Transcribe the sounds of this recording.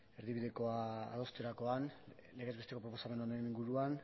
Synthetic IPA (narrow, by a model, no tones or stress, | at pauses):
e̞ɾðiβiðe̞ko̞aa̰ðo̞st̪eɾako̞an | le̞ɣezβet̪eko̞pɾopo̞same̞noɾeniŋɡuɾuan